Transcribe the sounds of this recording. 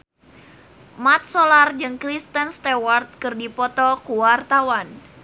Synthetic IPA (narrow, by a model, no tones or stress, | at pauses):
mat̪̚solard͡ʒɨŋkɾist̪ənst̪ewart̪̚kɨrdipɔt̪ɔkuwart̪awan